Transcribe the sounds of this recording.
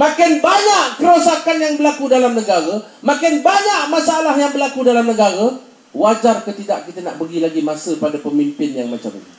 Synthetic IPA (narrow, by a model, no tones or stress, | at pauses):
mãkɪnbaɲaʔkəɾosakanjaŋbəlakudalamnəɡaɾa | makɪnbaɲaʔmasaalahjaŋbərlakudalamnəɡaɾa | wad͡ʒarkət̪idaʔkit̪əna̰ʔbəɡilaɡimasəpadapəmimpɪnjaŋma̰t͡ʃa̰m